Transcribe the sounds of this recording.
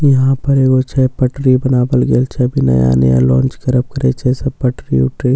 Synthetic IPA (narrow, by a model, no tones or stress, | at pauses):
jɐɦãpəɾeːɡot͡ʃʰɛpəʈɾibənaːbəlɡeːlt͡ʃʰɛbʱinɐ̰ja̰nə̰ja̰lɔ̃ːnt͡ʃkɐɾəb̚kəɾḛt͡ʃʰɛsɐbpəʈɾiʊ̰ʈɾi